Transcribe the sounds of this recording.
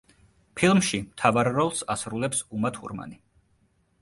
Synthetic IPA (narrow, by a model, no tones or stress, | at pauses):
pʰilˠmʃimt̪ʰavaɾːɔlˠsasɾulɛpsumat̪ʰṵɾma̰ni